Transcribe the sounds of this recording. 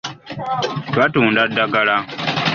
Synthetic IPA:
twatuːndadːaɡala

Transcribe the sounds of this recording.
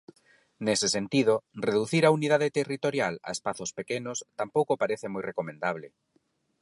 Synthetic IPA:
nesesent̪ið̞oreðuθiɾaunið̞aðet̪erit̪oɾjala̰espaθospekenʊst̪ampowkopaɾeθemojrekomẽnd̪aβle

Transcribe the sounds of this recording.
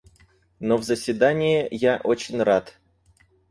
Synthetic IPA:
novzəsʲvʲɪd̪anʲɪjɪjaʔot͡ɕɪnʲrat̪

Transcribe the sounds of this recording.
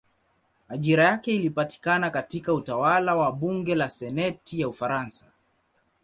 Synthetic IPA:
aʄiɾajakɛilipati̥kanakatikautawalawaɓuŋɡɛlasɛnɛtijaufaɾansḁ

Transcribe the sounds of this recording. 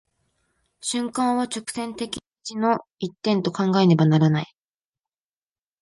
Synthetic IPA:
ɕɨ̃ŋkãɰ̃βat͡ɕo̞kɯ̟̥sẽ̞nt̪e̞kʲi | t͡ɕino̞it̪ːẽ̞nt̪o̞kãŋɡae̞ne̞banaɾanai

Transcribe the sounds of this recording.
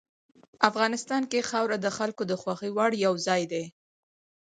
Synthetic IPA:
afɣɑnɪst̪ɑnkexɑwɾad̪əxalkod̪əxwɑxəwɑɽjawzɑjd̪e

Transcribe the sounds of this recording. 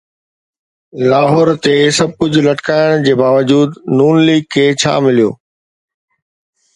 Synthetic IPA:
laːɦɔːɾt̪esɐb̚ʱkʊd͡ʑʱʊ̆lɐʈkaːɪɽ̃d͡ʑeːbaːʋəd͡ʑuːd̪nuːnliːɡ̚kʰeːt͡ɕʰa̰ːmɪlijo̰ː

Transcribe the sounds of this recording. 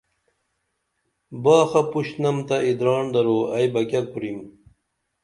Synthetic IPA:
baːxɐpuɕnɐmt̪ɐid̪ɾɑːɳd̪ɐɾoːɐjbɐkʲɐk̚uɾim

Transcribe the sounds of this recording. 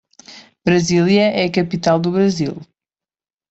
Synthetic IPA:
bɾɐzilˠjɐʔɛɐkɐpit̪alˠd̪uβɾɐzilˠ

